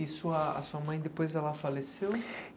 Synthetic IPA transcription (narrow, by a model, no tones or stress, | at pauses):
isuɐa̰suɐmɐ̃j̃d̪ɪpojzɛlɐfalesew